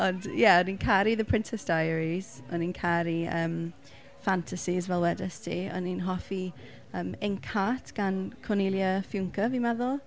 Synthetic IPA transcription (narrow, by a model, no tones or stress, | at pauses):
ɔndjɛɔninkʰaɾiðəpʰɹ̥ɪntʰɛsd̥ajəɹiz̥ɔninkʰaɾiəːm | fantʰasizvɛlˠwɛdəstʰiɔ̰ninɦɔfi | əːmɪnkʰatʰɡ̥ankʰɔnɪlˠjəfjʊŋkʰəvimɛðʊlˠ